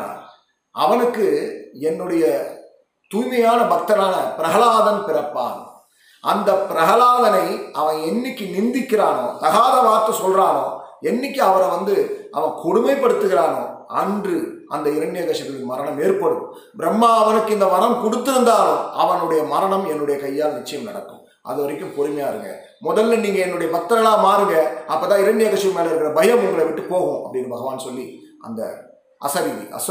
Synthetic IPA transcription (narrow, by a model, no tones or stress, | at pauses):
ɐ̰ʋɐnɯkːɯɛnːɯɽɐjɐ | t̪uːjmɐjaːnɐbɐk̚t̪ɐnaːnɐpɪɾɐɣɐlaːðɐnpɪɾɐpːa̰ːn | ɐ̰nd̪ɐpɪɾɐɣɐlaːðɐnɐɪɐʋɐnɛnːɪkʲːɯnɪnd̪ɪkːɪɾaːnoːt̪ɐɣaːðɐʋaːɾt̪ːɐsɔlraːno̰ːɛnːɪkːɯɐʋɐɾɐʋɐnd̪ɯʔɐ̰ʋɐnkʰɔɽʊmɐɪpːɐɽɯt̪ːɯɣɪɾaːno̰ːɐndrɯʔɐnd̪ɐɪɾɐɳɖɪjɐɣɐʂɐt̪ːɪɽmɐɾɐɳɐmeːɾpɐɽɯ̰ | bɪɾɐmːaːɐʋɐnɯkːɯɪnd̪ɐmɐnɐmkʊɽɯt̪ːɯɾɯnd̪aːlʊ̃ɐʋɐnɯɽɐjɐmɐɾɐɳɐmɛnːɯɽɐjɐkɐjːaːlɐnɪt͡ʃːɐjɐmnɐ̰ɽɐkːɯ̰̃m | ʔɐ̰ðɯʋɐɾɪkʲːɯmpɔɾɯmɐjaːɪɾɯŋɡɐ̰ | mɔðɐlːɐniːŋɡɐɛnːɯɽɐjɐpɐt̪ːɐɾɐɭaːmaːɾɯŋɡɐɐpːɐːt̪ãːɪɾɐɳɖɪjɐɣɐʂɐmeːlɐɪɾɯkːɪɾɐbɐjɐmʊŋɡɐɭɐʋɪʈːɯpoːɣʊ̃ʔɐpːɐɽɪnɯbɐɣɐʋaːnsɔlːiʔɐ̰nd̪ɐ̰ | ʔɐ̰sɐɾiɐ̰s